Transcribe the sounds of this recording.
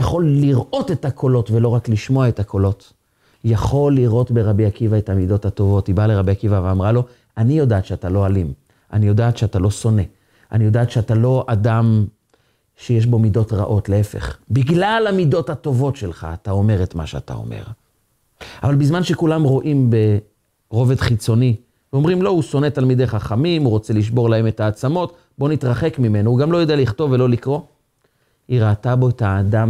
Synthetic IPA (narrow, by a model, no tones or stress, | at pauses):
jaχo̞lːiʁʔo̞te̞takʰo̞lo̞tvelo̞ʁakliʃmo̞aetakʰo̞lot | jaχo̞lːiʁo̞tbeʁabiakivae̞thamido̞thato̞vo̞thibaleʁabijakivaveamʁalo̞ | anijo̞daːtʃeatalo̞alim | ʔanijo̞daːt̪ʃeatalo̞so̞ne̞ | anijo̞daːtʃeatalo̞ʔadam | ʃe̞jeʃ̬bo̞mido̞tʁa̰ʔo̞tle̞efe̞̰χbiɡlalamido̞thato̞vo̞tʃelχa̰ːtao̞me̞ʁet̪ma̰ʃea̰ta̰o̞̰mḛʁ | a̰valbizmanʃekulamʁo̞ʔimbe̞ | ʁo̞ve̞dχit͡so̞ni | veomʁimlo̞uso̞netalmide̞jχaχamimuʁo̞t͡se̞liʃ̬bo̞ʁlae̞metaːt͡samo̞t | bo̞nitʁaχe̞kmime̞nouɡamlo̞jodealiχto̞vːe̞lo̞likʁo̞ | iʁaːtabo̞etaːdam